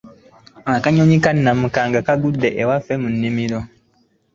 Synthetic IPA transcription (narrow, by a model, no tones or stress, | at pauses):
akaɲoɲikanːamukaːŋɡakaɡudːeʔewafːemunːimiɾo